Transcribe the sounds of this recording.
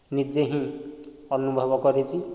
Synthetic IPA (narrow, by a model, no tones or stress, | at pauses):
nid͡ʒeɦĩ | ʌnubʱɔbɔkɔɾet͡ʃʰi